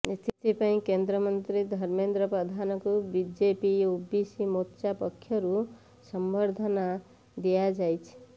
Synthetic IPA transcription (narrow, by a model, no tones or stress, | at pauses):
st̪ʰit̪ʰipaĩkend̪ɾəmənt̪ɾid̪ʱʌɾmend̪ɾəpɾəd̪ʱankobid͡ʒepiubisimotːt͡ʃapəkʰːjʌɾu | səmbəɾd̪ʱəna | d̪ijad͡ʒajt͡ʃʰ